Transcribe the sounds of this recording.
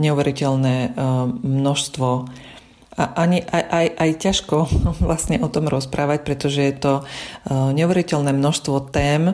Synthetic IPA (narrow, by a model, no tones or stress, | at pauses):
ɲɛuʋɛɾicɛlnɛː | mnɔʃst̪ʋɔ | aʔaɲiʔajʔajʔajcaʃkɔʋlasɲɛʔɔt̪ɔmɾɔspɾaːʋac̚pɾɛt̪ɔʒɛjɛt̪ɔ | ɲɛuʋɛɾicɛlnɛːmnɔʃst̪ʋɔt̪ɛːm